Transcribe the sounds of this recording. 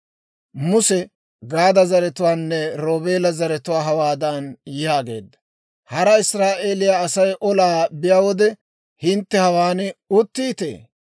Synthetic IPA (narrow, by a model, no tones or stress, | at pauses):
mʊsɛ | ɡaːd̪ɐzɐɾɛt̪ʊwaːnːɛɾo̞ːbe̞ːlɐzɐɾɛt̪ʊwaːɦɐwaːd̪ɐnjɪjaːɡe̞̰ːd̪ːɐ̥ | hɐɾɐɪsɾaːʔeːlɪjaːsɐjʔɔlaːbɪjawɔd̪ɛ | hɪnt̪ːɛhɐwaːnɛʊt̪ːiːt̪ḛː